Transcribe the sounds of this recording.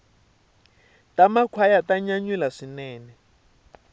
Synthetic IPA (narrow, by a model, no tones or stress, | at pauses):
tamakʰwajataɲaɲwilaʂinɛːnɛ